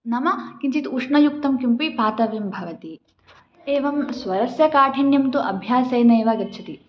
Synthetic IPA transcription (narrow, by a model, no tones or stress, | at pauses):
nɐmɐkint͡ʃit̪uʂɳɐjuk̚t̪ɐmkimpipaːt̪ɐʋimbʱɐʋɐt̪i | eːʋɐmsʋɐɾɐsjɐkaːʈʰiɳjɐmt̪uʔɐbʱjaːsɐjneːʋaɡɐɾt͡ʃʰɐt̪i